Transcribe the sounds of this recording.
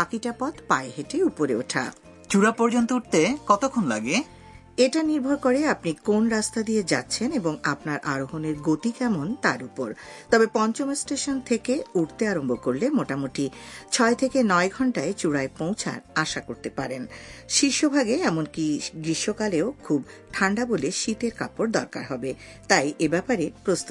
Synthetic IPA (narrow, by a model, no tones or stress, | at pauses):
bakiʈapɔt̪paeɦeʈeupoɾeoʈʰa̰ | t͡ɕuɽapɔɾd͡ʑont̪ouʈ̚t̪ekɔt̪okʰonla̰ɡe | eʈaniɾbʱoɾkoɾeapnikonɾast̪ad̪ijed͡ʑa̰tːɕʰeneboŋapnaɾʔaɾoɦoneɾɡot̪ikɛmont̪aɾupoɾ | t̪ɔbepɔnt͡ɕomasʈeʃont̪ʰekeuʈt̪eaɾombokoɾlemoʈamoʈit͡ɕʰɔet̪ʰekenɔeɡʱɔɳʈaet͡ɕuɽaepõw̃t͡ɕʰa̰ɾaʃakoɾt̪epaɾenʃiʃobʱaɡeɛmonkiɡɾiʃokaleokʰubʈʰaɳɖaboleʃit̪eɾka̰poɾd̪ɔɾka̰ɾɦɔbe | t̪ajʔebɛpaɾepɾost̪u